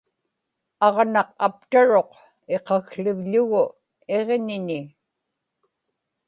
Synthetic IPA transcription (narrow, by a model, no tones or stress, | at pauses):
ɑʁnɑq̚a̰p̚t̪aɻo̞q | e̞qɑɣɬʊvʎʊɣʊ | e̞ʁɲɪnɪ